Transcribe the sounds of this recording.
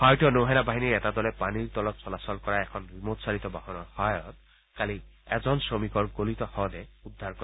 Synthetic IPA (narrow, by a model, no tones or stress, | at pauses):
hajtɔnoɦɛnabaɦiniɹɛtadɔlɛpaniɹtɔlɔtsɔlasɔlkɔɹaɛkʰɔnɹimotsaɹitɔbahɔnɔɹhɔjɔt̚ | kaliɛzɔnsɹomikɔɹɡolitɔhɔwdɛudʱːaɹkɔ